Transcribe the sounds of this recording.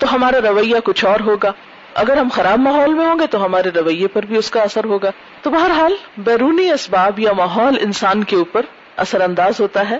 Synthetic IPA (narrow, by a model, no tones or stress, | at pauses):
t̪oɦɐmaːɾaɾɐʋɐjːakʊt͡ʃʰɔːɾɦoːɡaː | ɐ̰ɡəɾɦɐmxɐɾaːb̚maːɦɔːlmẽɦõːɡet̪oɦɐmaːɾeɾɐʋəjːepɐɾbʱiʊskaɐsəɾɦoːɡaː | t̪obɐɦəɾɦaːlbɛːɾuːniɐsbaːbjamaːɦɔːlɪ̰̃nsaːnkeuːpəɾ | ɐ̰səɾɐ̃nd̪aːzɦoːt̪aɦɛː